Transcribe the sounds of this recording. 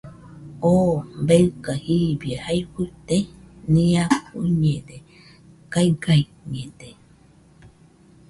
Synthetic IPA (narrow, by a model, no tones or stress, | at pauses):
ombewkahiβiehajhɨt̪enĩãkuɲẽde | kaiɡaj | ɲẽd̪e